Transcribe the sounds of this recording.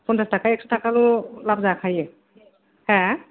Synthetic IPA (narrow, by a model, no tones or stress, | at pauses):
pɔnsastakaɛk̚sʰu̥tʰakalʊlabzakʰajɛ | hɛ̃